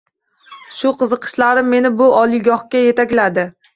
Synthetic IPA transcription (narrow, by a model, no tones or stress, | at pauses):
ʃʊqʰɨzɨqʰɨ̥ʃlaɾɪmːe̞nɪbʊʔɒlˠɪɡɒhkʲaje̞t̪akʲlad̪ɪ